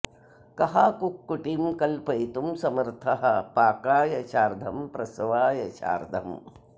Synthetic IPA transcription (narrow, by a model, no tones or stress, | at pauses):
kɐɦakukːuʈimkɐlpɐjt̪umsɐmɐɾt̪ʰɐɦɐpaːkaːjɐt͡ʃaːɾd̪ʱɐmpɾɐsɐʋaːjɐt͡ʃa̰ːɾd̪ʱɐm